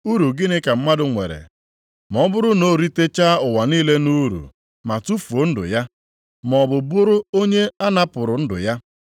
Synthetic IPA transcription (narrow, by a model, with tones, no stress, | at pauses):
u˦ɾu˨ɡɪ˦nɪ˦ka˨m̩˦ma˦dʊ˨ŋʷḛ˨ɾḛ˨ | m˨ɔ˦bʊ˦ɾʊ˦no˦˨ɾi˦te˦t͡ʃa˦ʊ˨wa˨niː˦le˦nu˦ɾṵ˨ | ma˨tu˦fo˨˦n̩˦dʊ̰˨ja˦ | mɔ˨bʊ˨bʊ˦ɾʊ˦o˦ɲe˦a˦na˦pʊ˨ɾʊ˨n̩˦dʊ̰˨ja˦